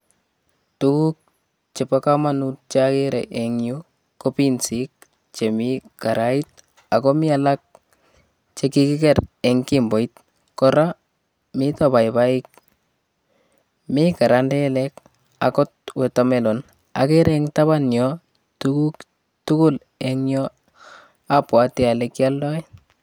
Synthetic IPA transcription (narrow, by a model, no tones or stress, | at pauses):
tukuk̚ | t͡ʃepakamanut̚t͡ʃakeɾḛʔeŋju | kopinsik̚ | t͡ʃemikaɾait̚ | akɔmɪalak̚ | t͡ʃekikɪkɛɾɛŋkimbɔit | kɔɾa | mitɔbaibaik̚ | mikaɾandɛlɛk | a̰kɔt̚wetomelon | a̰keɾɛŋtaβanjɔ | tukuk | tukul | ɛŋjɔ | apwatialekjaldɔi